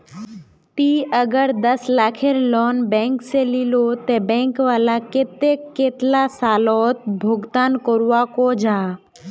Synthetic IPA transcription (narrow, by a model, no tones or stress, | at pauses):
t̪iːʔəɡəɾd̪əslaːkʰeɾlɔːnbɛ̃ːŋkselilot̪ebɛ̃ːŋkʋaːlaket̪eeːt̪lasaːlɔːt̪̚bʱʊɡt̪aːnkoɾuwakod͡ʒaː